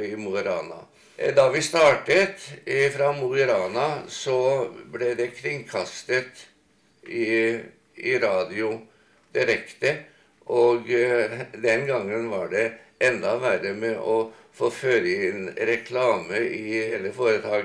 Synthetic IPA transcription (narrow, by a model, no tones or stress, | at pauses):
ɪmʊəɾɑːnɑ̰ | d̪ɑʋɪst̪ɑːʈət̪fɾɑmʊəɾɑːnɑsɔblɛd̪ɛkʰɾɪŋkʰɑst̪ət̪ | ɪ | ɪɾɑːd̪ɪʊ | d̪̥ɪɾɛkt̪ə | ʔɔɡ | d̪ɛnɡɑŋːənʋɑɖɛ | ʔɛnd̪ɑʋæɾəmɛʔɔ | foːføːɾənɾɛkʰlɑːməʔɪheːləfoːɾət̪ʰɑːɡ